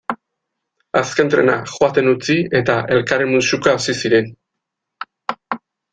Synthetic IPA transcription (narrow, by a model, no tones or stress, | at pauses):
aske̞nt̪ɾe̞̰na̰xoat̪e̞nut͡sie̞t̪aʔe̞lkaɾemusukaosisiɾe̞n